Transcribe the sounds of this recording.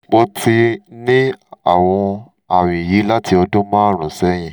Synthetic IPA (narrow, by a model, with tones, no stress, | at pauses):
bɔ˧ti˧nĩ˦a˦˨w̃ɔ̃˧ | a˨w̃ĩ˨ji˨˦la˦tʰi˧ɔ˧dõ˦mãː˦ɾ̃ɔ̃˨sɛ˦j̃ĩ˨